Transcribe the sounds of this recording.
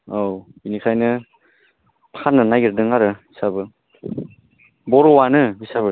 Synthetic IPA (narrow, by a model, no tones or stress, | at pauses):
ow | inikʰajnɯ | pʰanːɯnajɡɯɾdɯŋaɾɯisabɯ | bɔɾɔwanɯbisaβɯ